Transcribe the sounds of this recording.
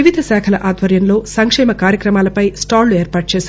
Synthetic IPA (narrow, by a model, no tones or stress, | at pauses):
iʋid̪ʱɐsɛːkʰɐlɐʔaːd̪ʋɐɾjɐnlo̞ːsɐŋkʂɛːmɐkaːɾjɐkɾɐmaːlɐpɐjsʈaːɾlueːɾpaːʈ̚t͡ʃeːs